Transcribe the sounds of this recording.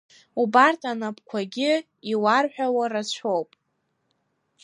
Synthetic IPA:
ubartʰanapʰʼkʷʰaɡʲɪ | iwarħʷᶣawarat͡ɕʷʰowpʼ

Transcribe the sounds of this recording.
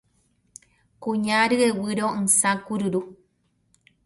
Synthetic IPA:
kuɲaɾɨewɨɾoŋsãkuɾɨɾu

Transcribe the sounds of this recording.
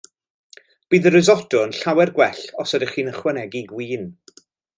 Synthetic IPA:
b̥iːðəɾɨzɔdʊənɬawɛrɡwɛɬɔsadəχiːnəχwɛnɛɡiɡwiːn

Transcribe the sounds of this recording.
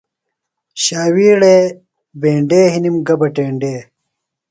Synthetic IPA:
ɕaːwiːɽeː | beːɳɖeːɦinimɡɐbɐʈeːɳɖeː

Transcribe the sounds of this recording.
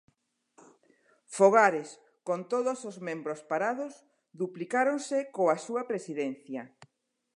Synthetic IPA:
foɣ̞aɾes | kont̪oðosozmẽmbɾospaɾaðos | ðuplikaɾonsekoasuɐpɾesiðenθjɐ

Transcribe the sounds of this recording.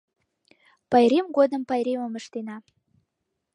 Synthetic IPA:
pɑjɾemɡod̪ə̆mpɑjɾʲemə̆mə̆ʃt̪enɑ

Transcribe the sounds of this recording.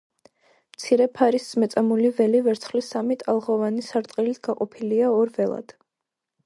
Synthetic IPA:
mt̪sʰiɾɛpʰaɾisz̥mɛt̪sʼamulivɛlivɛɾt̪sʰχlisamit̪ʼalˠʁɔvanisaɾt̪ʼqʼilit̪ʰɡ̥aqʼɔpʰiliaɔɾvɛlˠa̰d̪̥

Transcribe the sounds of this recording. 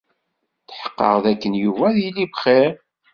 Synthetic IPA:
θħə̥qːə̰ʁðækːənjuvæðilːibχeɾ

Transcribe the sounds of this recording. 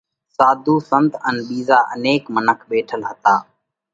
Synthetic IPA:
saːd̪ʱuːsənt̪ənɓiːzaːʔəneːkmənəkʰɓeːʈʰəlɦət̪aː

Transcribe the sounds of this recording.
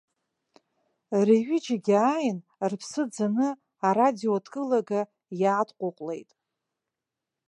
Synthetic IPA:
riɥid͡ʒaɡʲajn | rpʰsɨd͡zanɨ | aradiodʰkʼɨlaɡa | jaːdʰqʷʼʊqʷʼle̞̰jtʼ

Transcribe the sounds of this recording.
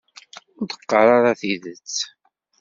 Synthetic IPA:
ʊɾd̪ə̥qːɑɾˤɑɾɑθiðət͡sː

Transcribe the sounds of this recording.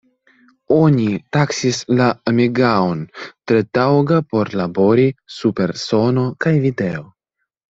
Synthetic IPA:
onit̪aksislaamiɡaont̪ɾet̪awɡapo̞ɾlabo̞ɾisupe̞ɾso̞nokajvid̪e̞o

